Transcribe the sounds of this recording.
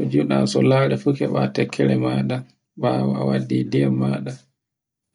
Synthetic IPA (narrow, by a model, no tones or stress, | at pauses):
kɔd͡ʒuɗasɔlaːɾɛfukɛɓatɛkʰːɛɾɛmaːɗa | ɓawɔa̰wadːiːdɛmaːɗa